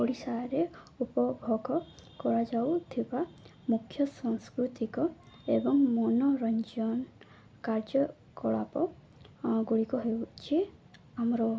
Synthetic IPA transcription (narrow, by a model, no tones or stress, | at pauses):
oɽisaɾe | upɔbʱɔɡɔkɔɾad͡ʒawt̪ʰiba | mukʰːjɔsɔŋskɾut̪ikɔ | ebɔŋmɔnɔɾɔɲd͡ʒɔn | kaɾd͡ʒɔ | kɔɭa̰pɔ | ɡuɽikɔɦewt͡ʃʰiamɔɾɔ